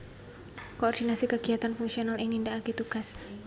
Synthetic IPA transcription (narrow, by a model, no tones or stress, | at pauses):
koːrdinasikəɡiat̪anfuŋksionaliŋindaːkit̪uɡas